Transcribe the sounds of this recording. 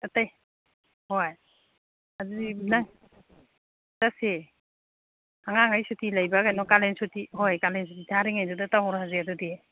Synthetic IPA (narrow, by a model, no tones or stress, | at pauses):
ataj | hoj | azudina | tase | aŋaŋajsutilajbakajnɔkalensutiɦojkalens̬utitʰaɾiŋajdudataɦɔɾɦazeadɔde